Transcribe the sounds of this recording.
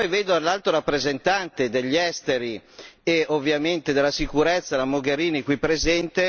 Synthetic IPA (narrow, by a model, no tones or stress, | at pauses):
pɔjveːd̪oalːalt̪ɾoɾapːɾezent̪ant̪ed̪eʎːɛst̪eɾieovːjament̪ed̪elːasikuɾɛt̪sːalamoɡeɾiːnikwipːɾezɛnt̪e